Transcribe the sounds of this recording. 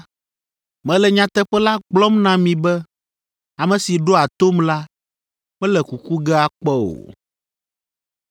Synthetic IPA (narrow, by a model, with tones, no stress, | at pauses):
mɛ̃˨lɛ˨ɲã˨t̪ɛ˦ɸɛ˦la˦ɡ͡blɔ˦mnã˦mĩ˨bɛ˦ | a˨mɛ̃˨si˨ɖo˦a˨t̪o˦mla˦ | mɛ̃˦lɛ˨ku˨ku˦ɡɛ˦a˨k͡pɛ˦o̰˨